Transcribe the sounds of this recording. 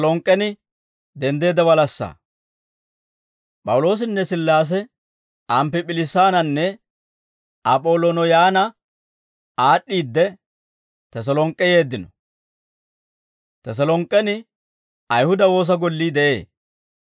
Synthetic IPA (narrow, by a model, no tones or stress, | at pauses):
lɔŋkʼːɛnɪ | d̪ɛnd̪e̞ːd̪ɐwɐlɐsːɐ̰ː | pʼɐwʊlo̞ːs̬ɪnːɛsɪlːaːs̬ɛ | ʔɐmpɪpʼɪlɪsːaːnɐnːɛ | ɐpʼoːlɔnɔjaːnɐ | ʔaːɗːiːd̪ːɛ | t̪ɐs̬ɐlɔŋkʼːɛje̞ːd̪ːɪnɔ | t̪ɐs̬ɐlɔŋkʼːɛnɪ | ɐjhʊd̪ɐwo̞ːs̬ɐɡɔlːiːd̪ɛʔe̞̰ː